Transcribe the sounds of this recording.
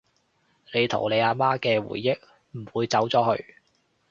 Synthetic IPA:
le˨˧jt̪ʰo̰˨˩wle˨˧jaː˧maː˥kɛː˧wṵː˨˩jːɪ˥k̚ | m̩˨˩wuː˨˧jt͡sɐ˨˥wt͡sɔː˨˥hɵ˧ɥ

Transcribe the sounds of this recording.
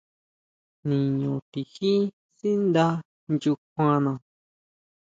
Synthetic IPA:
nĩ˨ɲõ˨t̪i˨xi˦ | si˦nd̪a˧ | nd͡ʒu˧kʷã˧nã˧˨

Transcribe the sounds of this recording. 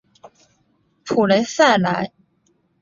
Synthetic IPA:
pʰu˨˩le˧˥ɪsa˥˩ɪla˧˥ɪ

